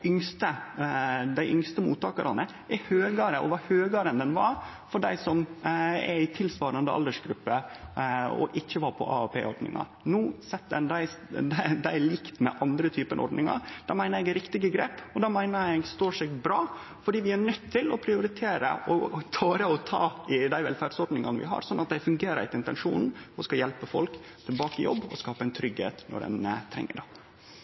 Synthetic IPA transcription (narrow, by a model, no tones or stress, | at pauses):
ʔʏŋst̪ə | d̪æɪʔʏŋst̪əmṵːt̪ːɑːkəɾʔɑ̰nə | ʔɛɾhøːɡɑɾəʔɔ̰ʋɑhøːɡɑɾɛnd̪ɛnʋɑɾ | fɔɖæɪsɔmɛɾɪt̪ʰɪlsʋɑːɾɑnd̪əɑ̰ld̪əʂɡɾʉpːə | ɔ̰ʔɪçːəʋɑːɾpʰɔ̰ʔɑ̰ɑpʰḛːɔɾɖ̪nɪ̰ŋɑ̰ɾ | nuːsɛt̪ːɛnd̪æɪsd̪d̪æɪlɪkt̪mɛ̰ʔɑnd̪ɾət̪ʰyːpənʔɔ̰ɾɖ̪nɪŋɑ̰ɾd̪ɑːmæɪnəɾɛɡɾɪkt̪ɪɡəɡɾeːpɔd̪ɑːmæɪnəɾɛɡst̪oːʂɛɡbɾɑː | fɔɖiːʋɪæɳœt̪ʰːɪlɔpʰɾɪʊɾɪt̪ʰeːɾə̰ʔɔt̪ʰɑːɾəɔt̪ʰɑ̰ːɪd̪æɪʋɛ̰lfæɖsɔɾɖ̪nɪŋɑ̰nəʋɪ̰ɦɑ̰ɾsɔnːʔɑt̪̚d̪æɪfʉŋɡeːɾəɾæ̰ɪt̪ɪnt̪ɛnʂṵːnn̩ɔskɑjɛlpəfɔlkt̪ʰɪlbɑːkəjɔ̰bːɔ̰skɑːpəɛɪnt̪ʰɾʏɡhḛːt̪nɔ̰ɖɛ̰nət̪ʰɾɛ̰ŋːə̰ɖɑ